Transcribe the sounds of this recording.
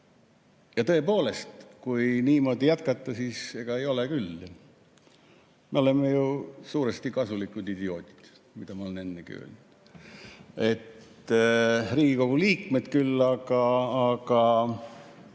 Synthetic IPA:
jɑt̪ɤ̞e̞po̞ːle̞st̪kujniːmo̞ːd̪ijæt̪̚kɑt̪ːˑɑsiːse̞ɡ̥ɑe̞jo̞le̞kylː | me̞o̞le̞mːejusuːɾest̪ikɑsulikːˑud̪id̪io̞ːt̪ʲˑi̥d̪̥ | mid̪ɑmɑo̞lene̞nːeɡ̥ḭø̰ːlnud̪̥ | e̞t̪ː | riːɡ̥iko̞ɡ̥uliːkme̞t̪kylːɑɡɑːɡ̥ɑ

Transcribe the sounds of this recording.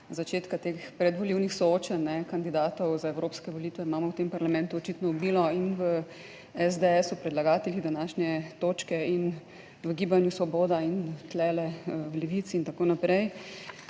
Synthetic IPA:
zat͡ʃeːt̪kat̪eːxpɾɛd̪ʋɔliwnixsɔoːt͡ʃanːɛkand̪id̪aːt̪ɔwzaɛwɾoːpskɛʋɔliːt̪ʋɛimaːmɔwt̪empaɾlamɛ̃nt̪uɔt͡ʃit̪nɔubiːlɔinʋə | ɛzd̪eɛsɔpɾɛd̪laɡaːt̪ɛlid̪anaːʃnʲɛt̪oːt͡ʃkɛin | ʋəɡiːbanjusʋɔboːd̪aint̪lɛːlɛwlɛʋit̪siːnt̪akoːnapɾɛj

